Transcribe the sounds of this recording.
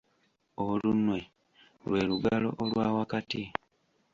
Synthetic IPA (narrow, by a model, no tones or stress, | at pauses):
olunwe̞ | lwe̞ːluɡalo̞̰ʔolwaːwakati